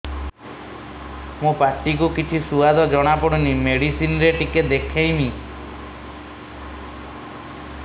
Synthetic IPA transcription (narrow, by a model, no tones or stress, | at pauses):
mũpaɾʈik̬ukit͡ʃʰisuad̪ɔd͡ʒɔɽ̃apɔɽɔnimeɽisinɾeʈiked̪ekʰaj̃mi